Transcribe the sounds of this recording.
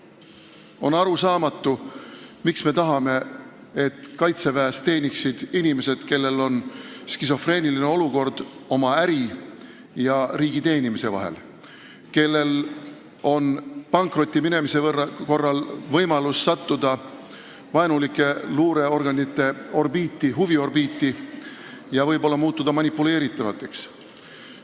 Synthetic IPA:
o̞nɑɾusɑːmɑt̪ːˑumiksme̞t̪ɑɦɑme̞ | et̪kɑjt̪se̞væːst̪e̞ːnʲiksid̪̥inime̞se̞d̪̥ke̞lːe̞lo̞nskiso̞fre̞ːniline̞o̞luko̞rd̪̥o̞mɑæɾi | jɑɾiːɡ̥it̪e̞ːnimise̞vɑ̰ɦḛl | ke̞lːe̞l | o̞npɑŋkˑro̞t̪ʲˑːimine̞mise̞vrɑko̞rːɑlvɤjmɑlusːɑt̪ːud̪ɑ | vɑenulikːˑe̞luːɾe̞o̞rɡ̥ɑnit̪ːˑe̞o̞rbiːt̪ːˑiɦuvio̞rbiːt̪ːi | jɑvɤjbo̞lːɑmuːt̪ˑːud̪̥ɑmɑnʲipːule̞ːɾit̪ːˑɑvɑt̪ːˑe̞ks

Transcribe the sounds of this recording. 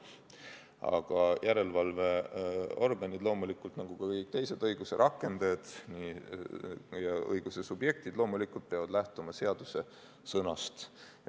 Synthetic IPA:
ɑ̰ɡ̥ɑjʔæɾe̞lvɑlve̞o̞rɡ̥ɑnʲid̪lo̞ːmulikːˑult̪nɑɡ̥ukɑkɤjk̚t̪e̞jse̞d̪̥ɤjɡ̥use̞ɾʔɑkːˑe̞nd̪ɑjd̪̥ni | jɑɤ̰jɡ̥use̞subje̞k̚t̪id̪̥lo̞ːmulikːˑult̪̚peɑvɑd̪̥læht̪umɑse̞ɑd̪̥use̞ | sɤnɑst̪

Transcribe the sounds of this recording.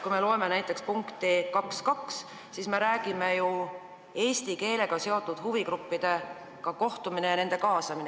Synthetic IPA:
kujme̞lo̞e̞me̞næjt̪ːˑe̞kspuŋkt̪ikɑkskɑks | sisme̞ɾæːɡ̥ime̞ju | e̞ːst̪ike̞ːle̞ɡ̥ɑse̞o̞t̪ːˑud̪̥huvikɾupːid̪̥e̞ | kɑko̞ht̪umine̞jɑne̞nd̪̥e̞kɑːsɑmine

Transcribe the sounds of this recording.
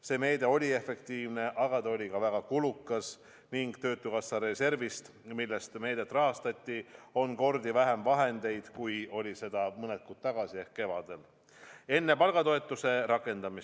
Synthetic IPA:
se̞ːme̞ːd̪e̞o̞lʲie̞fe̞kt̪iːvne̞ʔɑɡ̥ɑd̪eo̞lʲikɑvæɡ̥ɑkulukːˑɑs | niŋɡ̥t̪ø̞ːt̪ːˑukɑsːɑɾe̞se̞rvist̪ | milːest̪me̞ːd̪̥et̪ːˑrɑɦɑst̪ɑt̪ʲːio̞nko̞rd̪ivæɦe̞mvɑɦe̞nd̪̥e̞jd̪̥kujo̞lʲise̞d̪̥ɑmɤnet̪̚kut̪̚t̪ːɑɡ̥ɑsie̞hkkːe̞vɑ̰d̪̥e̞l | e̞nːe̞pɑlɡ̥ɑt̪o̞e̞t̪ːˑuse̞ɾɑkːˑe̞nd̪ɑmis

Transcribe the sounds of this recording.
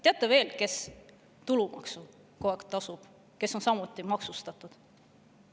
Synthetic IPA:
t̪e̞ɑt̪ːˑeve̞ːlke̞s | t̪ulumɑ̰ksu | koekt̪ːɑsub̥ | ke̞sːo̞nsɑmut̪ːˑimɑksust̪ɑt̪ˑud̪̥

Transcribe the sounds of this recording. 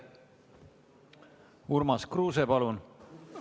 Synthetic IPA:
urmɑskruːsepɑlun

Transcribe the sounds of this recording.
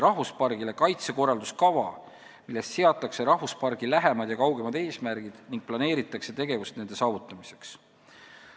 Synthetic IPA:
ɾɑhvuspɑrɡ̥ile̞kɑjt̪se̞ko̞rːɑld̪̥uskɑvɑ | milːe̞st̪seɑt̪ːˑɑkse̞ɾɑhvuspɑrɡ̥ilæɦemɑd̪̥jɑkɑwɡ̥e̞mɑd̪e̞ːsmæɾɡ̥id̪̥niŋk̚plɑne̞ːɾit̪ːˑɑkse̞t̪e̞ɡ̥e̞vust̪ne̞nd̪e̞sɑːvut̪ˑːɑmise̞̥ks

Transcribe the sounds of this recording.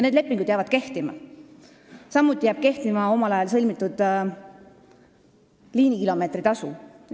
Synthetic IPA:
ned̪lepːˑiŋɡud̪̥jɑvɑd̪̥̚ke̞ht̪imɑ̰ | sɑmːut̪ʲːˑijæːb̥̚ke̞ht̪imɑo̞mɑlɑjɑlsɤlʲmit̪ːˑud̪̥ | liːnikilo̞me̞ːt̪ɾit̪ɑsu

